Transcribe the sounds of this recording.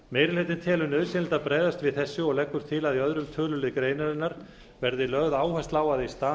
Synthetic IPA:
meːjɾɪlhejt̪ɪnt̪ʰɛːlʏnœðsɛnlt̪aðpɾɛːðast̪vɪðθɛsːʏɔɣlɛkːʏɾ̥t̪ʰɪlaðiœðɾʏmt̪ʰœːlʏlɪkɾeːjnaɾɪnːaɾ̥ | vɛɾðɪlœɣðaːwhajst̪laːwaðɪist̪aː

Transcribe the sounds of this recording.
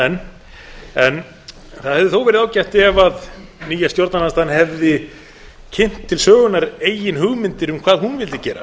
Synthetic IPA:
ɛn | ɛn | θaðhɛvðɪθowvɛɾɪðaːwcɛjht̪ɪɛvaðniːjast̪joɾt̪nanast̪anhɛvðɪ | cʰɪn̥t̪ʰːɪlsœːɣʏnaɾeːjɪnɦʏɣmɪnt̪ɪɾʏmkʰvaːðhunvɪlt̪ɪcɛːɾa̰

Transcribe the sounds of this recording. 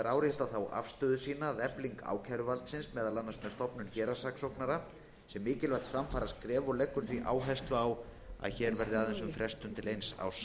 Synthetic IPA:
aɾaːwɾjɛht̪aθawʔa̰fst̪œːðʏsiːnaðɛpliŋka̰ːwcʰaɾʏvalt̪sɪnsmɛːðalanːast̪mɛðst̪ɔpnʏnçɛːɾasaksɔwknaɾa | sɛmːɪːcɪlvɛht̪fɾamfaːɾaskɾɛːvʏlekːʏɾ̥θviʔa̰ːwɦɛst̪ʏawa̰ðçɛɾvɛɾðɪaðɛnsʏmfɾɛst̪ʏmt̪ʰɪlejnsa̰ws

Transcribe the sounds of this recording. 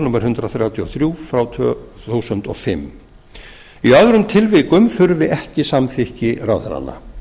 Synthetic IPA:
nuːmaɾ̥hʏnt̪ɾaθɾjawt̪ʰiɔ̰θɾjuːfɾawt̪ʰœθuːsʏnt̪ɔ̰fɪmː | iœðɾʏmt̪ʰɪlviːkʏmfʏɾvɪʔɛhcɪsamθɪhcɪɾaːwθa̰ɾa̰nːa̰

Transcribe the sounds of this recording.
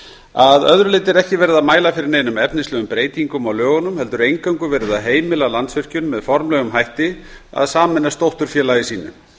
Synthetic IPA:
aðœðɾʏlejt̪ɪɾɛhcɪvɛːɾɪðaðmaːjlafɪɾɪɾneːjnʏmɛpnɪslœːɣʏmpɾeːjt̪iŋkʏmawlœːɣʏnʏmhɛl̪t̪ʏɾejŋkawŋkʏvɛːɾɪðaðɦeːjmɪlalant̪svʏr̥cʏnmɛðfɔɾmlɛɣʏmɦajht̪ɪa̰ðsaːmɪnːast̪owht̪ʏɾ̥fjɛːlajɪsiːnʏ̰

